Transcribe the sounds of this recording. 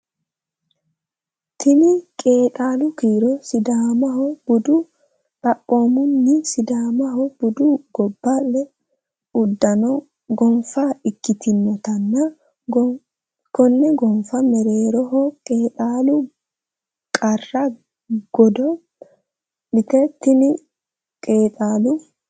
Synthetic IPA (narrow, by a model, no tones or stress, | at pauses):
t̪ʰɪnɪkʼe̞ːtʼaːlʊkiːɾɔsɪd̪aːmɐɦɔb̥ʊd̪ʊ | kʼɐʔʼːoːmʊnːɪsɪd̪aːmɐɦɔb̥ʊd̪ʊɡ̥ɔbːalːɛ | ʊd̪ːɐnɔ | ɡɔmfɐɪkːɪt̪ɪnːɔt̪ɐnːɐ | ɡɔ | kɔnːɛɡɔmfɐmɛɾe̞ːɾɔɦɔkʼeːt̪ʼaːlʊ | kʼɐrːɐ | ɡ̥ɔd̪ɔ | lɪt̪ɛt̪ːɪnɪ | kʼeːt̪ʼaːlʊ